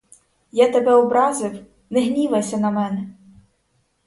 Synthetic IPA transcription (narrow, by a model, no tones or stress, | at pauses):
jat̪ɐbɛɔbɾɑzɪw | neɦnʲiʋɐsʲɐnɐmɛnɛ